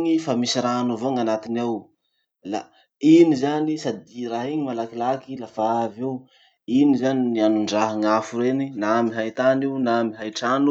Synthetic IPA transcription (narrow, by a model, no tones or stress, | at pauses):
ŋifamisiɾanovoŋanat̪inaw | la̰ | inizanisad̪iraɦiɲimalakilakilafaavew | inizaninianuɳɖ͡ʐaɦaŋafuɾeninamiɦajt̪aniwnamiɦajʈ͡ʂanu